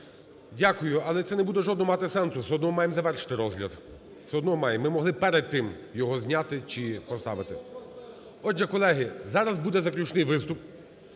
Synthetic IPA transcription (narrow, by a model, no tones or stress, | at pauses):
dʲakʊjʊɐlˠɛt̪sɛnɛbud̪ɛʒɔd̪nɔɦɔmɑt̪ɪsɛnsʊsɛɔd̪nɔɦɔmɑjemzɐʋɛrʃɪ̥t̪ɪɾɔzɦlʲɐ̰d̪ | sɛɔd̪nɔɦɔmɑjɛmːɪmɔɦlˠɪpɛɾɛd̪̚t̪ːɪm | jɔɦɔzʲnʲat̪ɪt͡ʃipɔst̪ɑ̰ʋɪt̪ɪ | ɔʒɛkɔlˠɛɦɪzɑɾɐzbud̪ɛzɐklʲut͡ʃnɪjʋɪst̪ʊp